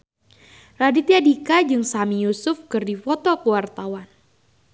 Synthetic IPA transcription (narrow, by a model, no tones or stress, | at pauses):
radit̪iadikad͡ʒɨŋsamijusʊfkɨrdifɔt̪ɔkəwart̪awan